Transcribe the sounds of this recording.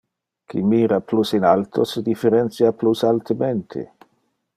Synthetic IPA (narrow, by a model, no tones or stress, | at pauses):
kʰḭmiːɾaplusinalt̪ʰosed̪ifeɾent̪sjaplusalt̪əment̪ʰḛ